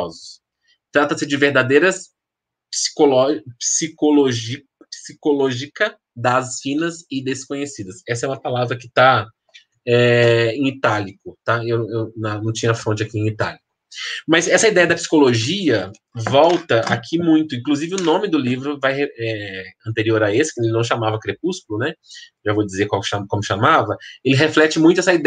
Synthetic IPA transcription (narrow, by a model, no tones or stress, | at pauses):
zʊs | t̪ɾat̪ɐsɪd͡ʒɪveɾd̪ad̪ejɾɐs | psi̥kolɔpsikoloʒi | psikoloʒikɐ | d̪ɐzfĩnɐzɪd̪eskõɲesid̪ɐsɛsɐɛũmɐpalavɾɐkɪ̥t̪a | ɛẽit̪alikʊt̪aewewnɐnɐ̃w̃t͡ʃĩɲɐfõt͡ʃɪakiẽit̪alikʊ | mɐzɛsɐid̪ɛjɐd̪ɐpsi̥koloʒiɐ | vɔwt̪ɐʔakʰimũj̃t̪ʊĩkluzivɪʊnõmɪd̪ʊlivɾʊvajheɛɐ̃nt̪eɾioɾɐesɪ̥kw̃nd̪elɪnɐ̃w̃ʃamavɐkɾep̚uskʊlʊnɛʒavowd͡ʒizekawkʃamkõmʊʃamavɐelɪɦeflɛt͡ʃɪmũj̃t̪ʊɛsɐid̪